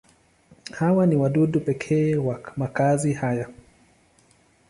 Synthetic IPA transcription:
hawaniwaɗuɗupɛkʰɛːwamakazihaja

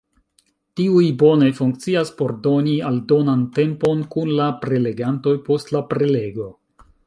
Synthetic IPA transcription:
tiujbo̞ne̞fuŋk̚t͡siaspo̞ɾdo̞nialdo̞nante̞mpo̞nkunlapɾe̞le̞ɡanto̞jpo̞stlapɾe̞le̞ɡo̞

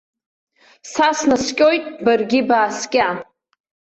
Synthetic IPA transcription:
sasnaskʲʼojtʼbarɡʲibaːskʲʼa

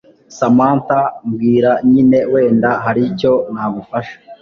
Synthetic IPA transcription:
samaːntamɡiːɾaɲine̞we̞ːndaɦaɾico̞nhaːɡufaʃḁ

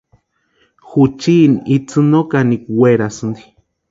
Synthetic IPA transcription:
xut͡ʃinit͡sɨnokanikweɾasɨnd̪i̥

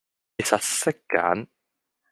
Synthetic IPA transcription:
ɪsasːɛkːa̰n

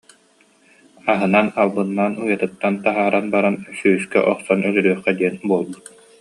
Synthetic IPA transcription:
aɦɯnanalˠbɯnːanujat̪ɯt̪ːant̪aɦaːɾanbaɾansyːskɛ̰ʔɔχsɔnœlyɾyœχɛd̪iɛnbuɔlˠbut̪̚

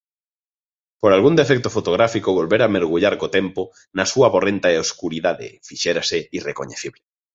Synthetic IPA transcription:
poɾalɣund̪efek̚t̪ofot̪oɣ̞ɾafikoβolβeɾameɾɣ̞uʎaɾkot̪empo | nɐsuaβorent̪aeoskuɾiðaðḛfiʃeɾaseirekoɲeθiβle

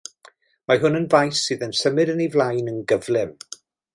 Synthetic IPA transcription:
maɦʊnənvajsːɨːðənsəmɨɾənivlˠajnənɡəvlˠɪm

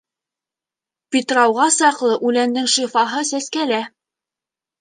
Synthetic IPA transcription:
pʲit̪rɑwʁɑsɑqlˠɤʔʉlænd̪ɘŋʃifɑɦɤsæskælæ

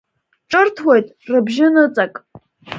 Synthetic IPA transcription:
ʈ͡ʂʼɨrtʰwejtʼrɨbʒɪnɨt͡sʼakʼ

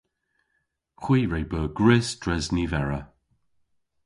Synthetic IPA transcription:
xwiːɹejbəːɡɹɪsd̥ɹɛznivɛɹə

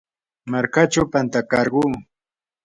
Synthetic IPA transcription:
maɾkat͡ʃawpant̪akɑɾɢuː

